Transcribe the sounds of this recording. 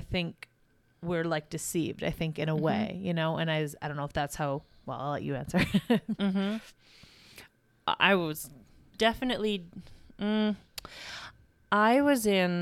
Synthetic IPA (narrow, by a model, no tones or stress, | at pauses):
ɪθɪ̃ŋk | wɪɹlaɪk̚d̥ɨsḭvda̰ɪθɪ̃ŋkɨ̃ɾ̃əweɪjɨnoʊɨ̃ñaɪzaɪdõʊ̃nːoʊəfðætshaʊwɛ̰lˠaɪlɛ̰t͡ʃɨæ̰̃nsə˞m̥m̩ | ʔa̰ɪwʌz | dɛfɨnɨʔˡlim̩ | ʔaɪwʌzɪ̃n